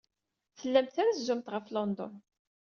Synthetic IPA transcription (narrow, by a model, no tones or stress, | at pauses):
θəlːæmt̪θaɾazzʊmt̪ʁəflɔnd̪ɔ̰n